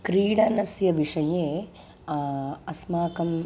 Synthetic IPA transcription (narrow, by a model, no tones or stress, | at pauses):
kɾiːɽaːnɐsjɐʋiʂɐjeː | ɐsmaːkɐm